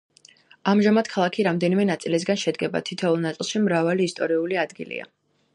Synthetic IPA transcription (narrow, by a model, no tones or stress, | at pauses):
amʒamad̪̥kʰalˠakʰiɾamd̪ɛnimɛnat̪sʼilis̬ɡanʃɛd̪ɡɛba̰t̪ʰit̪ʰɛulˠnat̪sʼilˠʃimɾavaliːst̪ʼɔɾiuliad̪ɡḭlḭa̰